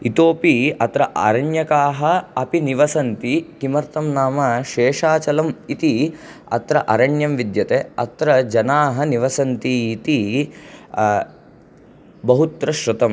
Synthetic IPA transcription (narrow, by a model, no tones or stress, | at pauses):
it̪oːpiɐt̪ɾɐʔa̰ɾɐɳjɐkaːɦɐɐpiniʋɐsɐnt̪ikimɐɾt̪ɐmnaːmɐʃeːʂaːt͡ʃɐlɐmit̪i | ɐ̰t̪ɾɐʔɐɾɐɳjɐmʋid̪jɐt̪eːɐ̰t̪ɾɐd͡ʒɐnaːɦɐniʋɐsɐnt̪iːt̪i | bɐɦut̪ɾɐʃɾɐt̪ɐm